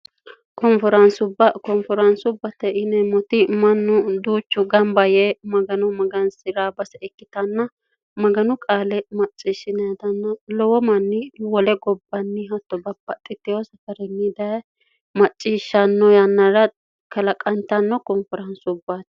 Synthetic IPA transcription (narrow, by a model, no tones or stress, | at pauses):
kɔmfɔɾɐnsʊbɐkɔmfɔɾɐnsʊbːɐt̪ɛɪnɛmɔt̪ɪmɐnːʊd̪uːt͡ʃːʊɡɐmbɐjɛmɐɡɐnɔmɐɡɐnsɪɾaːbɐsɛɛkːɪt̪ɐnːɐ | mɐɡɐnʊkʼaːlɛmɐt͡ʃʼːiːʃɪnɐd̪ɐnːɐlɔwɔmɐnːɪwɔlɛɡɔbːɐnːɪɦɐt̪ːɔbɐbɐt̪ʼːɪt̪ːɪjɔsɐfɐɾɛnːɪd̪ɐ | mɐt͡ʃʼːiːʃːɐnːɔjɐnːɐɾɐ | kɐlɐkʼɐnt̪ːɐnːɔkɔmfɔɾɐnsʊbːaːt̪